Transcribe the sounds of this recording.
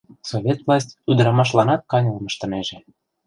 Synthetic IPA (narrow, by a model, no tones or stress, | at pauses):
soβʲet̪vlˠɑsʲtʲyd̪əɾɑmɑʃ̬lɑnɑt̪̚kɑnʲɤlmə̆ʃt̪ɤ̆neʒe